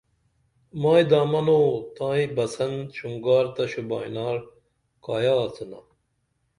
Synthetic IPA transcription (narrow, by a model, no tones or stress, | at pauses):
maːjd̪aːmɐnoːt̪ãːibɐsɐnɕuŋɡaːɾt̪ɐɕuba̰ːḭnaːɾ | kaːjaːt͡sʰuna̰